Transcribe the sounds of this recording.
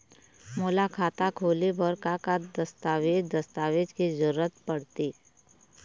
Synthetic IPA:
moːlakʰaːt̪akʰoːlibɔɾkakad̪ɐst̪aːʋed͡ʒd̪ɐst̪aːʋed͡ʒkizʊɾːət̪pɐɽt̪iː

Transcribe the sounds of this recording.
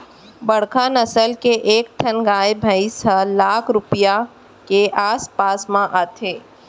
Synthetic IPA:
bɐɽ̤kanɐsəlkeʔeːk̚t̪ʰɐnɡaːebʱaisəlaːkʰɾʊpija | keʔaːspaːsmãʔaːt̪ʰeː

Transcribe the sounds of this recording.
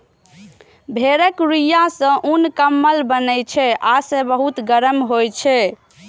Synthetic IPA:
bʱeɾəkɾijasə̃ʔunkəmːəlbənəjt͡ʃʰɛʔasə̃bəɦut̪ɡəɾəmɦojt͡ʃʰɛ

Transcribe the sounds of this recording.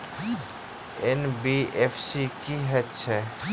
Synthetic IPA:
enbiepʰsikiɦɛtt͡ʃʰɛ

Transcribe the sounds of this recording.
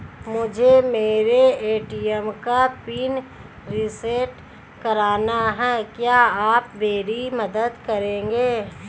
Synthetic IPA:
mʊd͡ʒʱemeːɾeeːʈiɛmkapiːn | ɾɪsəɾʈ | kɐɾaːnaɦɛːkjaːaːpʋeːɾimɐd̪əd̪kɐɾẽːŋɡeː

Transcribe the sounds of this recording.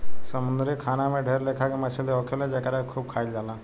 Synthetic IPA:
səmund̪ɾikʰaːnamẽɖʱeɾlekʰakemət͡ʃʰiliɔkʰeled͡ʒekəɾakʰuːb̚kʰaːjld͡ʒaːla

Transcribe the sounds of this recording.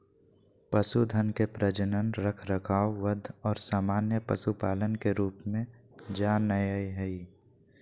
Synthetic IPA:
pəsud̪ʱənkepɾəd͡ʒənənɾəkʰɾəkʰaːoʋəd̪ʱɔːɾsaːmaːnjəpəsupaːlənkeɾuːpmẽ | d͡ʒaːnːəjəiɦɛi

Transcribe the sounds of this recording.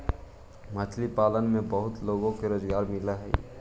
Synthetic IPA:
mat͡ʃʰlipaːlənmẽbəɦʊt̪loːɡõkeɾoːd͡ʒɡaːɾmɪlaɦɛ̰

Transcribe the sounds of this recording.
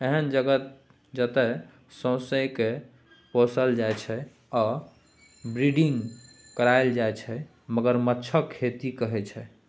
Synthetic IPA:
eɦənd͡ʒəɡət̪̚ | d͡ʒət̪ɛ | sə̃w̃sə̃jke | posəld͡ʒaet͡ʃʰɛ | ɔ | bɾiɖiŋɡkəɾaeld͡ʒaet͡ʃʰɛ | məɡəɾmətːt͡ʃʰəkʰːet̪ikəɦɛt͡ʃʰɛ

